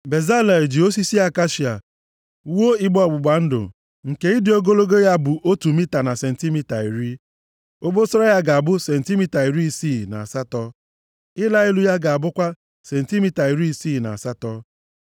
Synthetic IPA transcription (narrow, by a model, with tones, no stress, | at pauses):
be˨za˦la˨i˨d͡ʒi˨o˦s̬i˦si˦a˦ka˦ʃi˨a˨ | wo˦ɪ˦ɡ͡bɔ˦ɔ˨ɡ͡bʊ˨ɡ͡ba˨n̩˦dʊ̰˨ | ŋ̩˨ke˨˦ɪ˦dɪ˨o˦ɡo˦lo˦ɡo˦ja˦bʊ˨ʔo˦tu˨mi˦ta˨na˨se˨n̩˨ti˦mi˦ta˨i˨ɾi˦ | o˦bo˦sɔ˦ɾa˦ja˦ɡa˨a˨bʊ˦se˨n̩˨ti˦mi˦ta˨i˨ɾi˦si˦˨na̰˨a˨sa˦tɔ˦ | ɪ˦la˦ɪ˦lu˦ja˦ɡa˨a˨bʊ˦kʷa˦ | se˨n̩˨ti˦mi˦ta˨i˨ɾi˦˨siː˦˨na̰˨a˨sa˦tɔ˦